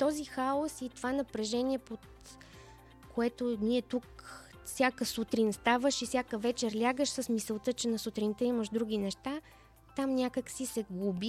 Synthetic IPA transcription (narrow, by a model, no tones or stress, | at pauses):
t̪ɔzixaosit̪ovanɐpɾɛʒɛniɛpot̪ | koɛt̪onʲiɛt̪uk | fsʲakəsut̪ɾinst̪avəʃifsʲjakəvɛt͡ʃɛɾlʲaɡəʃsəsmisəlˠt̪ət͡ʃɛnɐsut̪ɾint̪ɛiməʃd̪ɾuɡ̟ʲinɛʃt̪a | t̪amnʲakəksisɛɡubi